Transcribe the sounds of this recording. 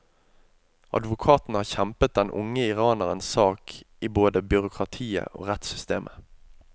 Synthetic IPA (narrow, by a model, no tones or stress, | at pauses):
ɑ̰d̪ʋʊkʰɑːt̪n̩hɑːçɛmpət̪̚d̪ɛnʔʊ̰ŋəɪʁɑːnəʁənssɑːkʔiːboːd̪əbʏʁʊkʰʁɑt̪ʰiːə̰ʔo̰ːʁɛt̪sʏst̪eːmʔə